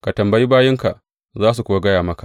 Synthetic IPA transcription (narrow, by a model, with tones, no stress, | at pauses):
ka˨tɐ˨mbɐ˦ji˦baː˦jɪ˦ŋka˨ʔ | zaː˦s̬u˨kʷʊ˦wa˦ɡɐ˦jaː˨mɐ˦ka˨